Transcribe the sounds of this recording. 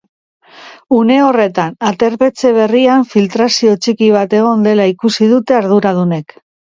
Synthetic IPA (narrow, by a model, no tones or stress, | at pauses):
une̞o̞re̞t̪anat̪e̞ɾpe̞t͡se̞β̞e̞riaɱfilt̪ɾasio̞t͡ʃikiβ̞at̪e̞ɣ̞o̞nd̪e̞laikusið̞ut̪e̞aɾð̞uɾað̞une̞k